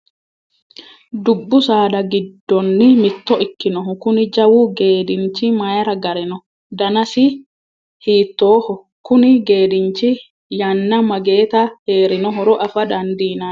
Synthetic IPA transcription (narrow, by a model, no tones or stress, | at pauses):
d̪ʊbːʊsaːd̪ɐɡɪd̪ːɔnːɪmɪt̪ːɔʔɪkːɪnɔɦʊkʊnɪd͡ʒɐwʊɡe̞ːd̪ɪnt͡ʃːɪmajɾɐɡɐɾɛnɔ | d̪ɐnɐsɪ | hiːt̪ːo̞ːhɔ | kʊnɪɡe̞ːd̪ɪnt͡ʃːɪ | jɐnːɐmɐɡe̞ːt̪ɐhe̞ːɾɪnɔɦɔɾɔʔɐfɐd̪ɐnd̪iːnɐ